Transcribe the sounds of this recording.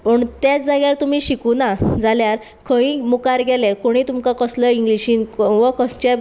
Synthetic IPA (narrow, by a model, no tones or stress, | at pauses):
pəɳt̪jat͡sd͡zaɡjaɾt̪um̤iːɕikunad͡zaljaɾ | kʰə̃ĩmukaɾɡɛlekoɽ̃iːt̪umkakəsləiŋɡliɕiːnʋəkəst͡ɕa